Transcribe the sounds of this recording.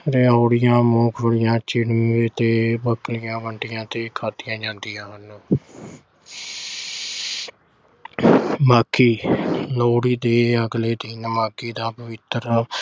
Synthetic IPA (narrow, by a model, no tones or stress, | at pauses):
ɾeaːɽɪjãːmoːkʰʋəɽɪjãːt͡ʃɪɽmʋeːt̪eːbəklɪjãːʋəɳʈɪjãːt̪eːkʰaːt̪ɪjãːd͡ʒãːnd̪ɪjãːɦənː | maːkʰiːloːɽiːd̪eːəɡleːd̪ɪnmaːkiːd̪aːpəʋɪt̪əɾ